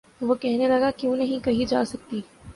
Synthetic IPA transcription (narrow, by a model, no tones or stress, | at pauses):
ʋokɛɦnelɐɡakjũːnɐɦĩkɐɦid͡ʒaːsɐk̚t̪iː